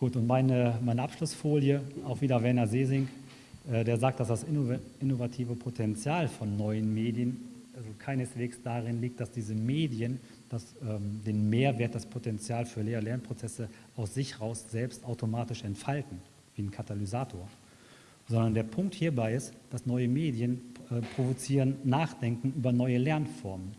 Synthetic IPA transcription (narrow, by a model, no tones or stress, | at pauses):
ɡ̥uːtʊntmaɪnəmaɪnəʔapʃlʊsfoːljəaʊxviːdɐvɛɐnɐzeːzɪŋk | ʔɛːdeːɐzaːk̚t̚d̥asd̥asɪo | ɪnovatʰiːvəpʰotʰɛnt͡sjaːlfɔnːɔʏənmeːdjənalzokʰaɪnəsv̥eːksd̥aʁɪnliːk̚t̚d̥asd̥iːzəmeːdiən | d̥asɛːmdeːnmeːɐveːɐt̚d̥aspʰotʰɛnt͡sjaːlfyːɐleːʁəlɛɐnpʁ̥ot͡sɛsə | ʔaʊsz̥ɪçhɛʁaʊsz̥ɛlpstaʊtʰomaːtɪʃɛntfaltn̩ | viːnkʰatalyzaːtʰoːɐ | z̥ɔndɐndeːɐpʰʊŋk̚thiːɐbaɪɪstd̥asnɔʏəmeːdiənɛːpʁ̥ovot͡siːʁənːaːχd̥ɛŋkŋ̩yːbɐnɔʏəlɛɐnfɔɐmən